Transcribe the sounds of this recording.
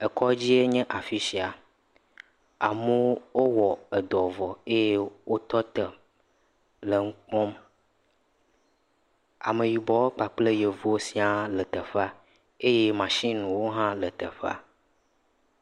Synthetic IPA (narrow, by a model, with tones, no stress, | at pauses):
e˨kɔ˦d͡ʑi˦e˦ɲɛ̃˦ʔa˨fi˦ʃi˨a˨ | a˨mu˦wo˦wɔ˨e˨d̪ɔ˨vɔ˨e˦je˦wo˦t̪ɔ˦t̪ə˨ | lə˨ŋ̩˦k͡pɔ̃˦m | a̰˨me˨wi˨bɔ˨wo˦k͡pa˨k͡ple˦je˨vu˦o˦si˦a˦lə˨t̪ə˨ɸa˦ | e˦je˦mã˨ʃĩ˦nũ˨wo˦ɦã˦lə˨t̪ə̰˨ɸa̰˦